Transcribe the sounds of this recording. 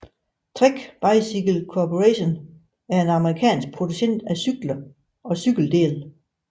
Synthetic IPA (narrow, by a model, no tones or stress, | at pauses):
t͡sʰʁeɡ̥b̥ɑ̈ɪsiɡ̥əl̩kʰɒpʰoʁeɕon | æɐe̝nɑ̈məʁikʰɛ̰ːnsɡ̥̚pʰʁo̝d̥uɕen̰d̥æsyɡ̥lɐ | ɒ̽syɡ̥l̩d̥e̝̰ːl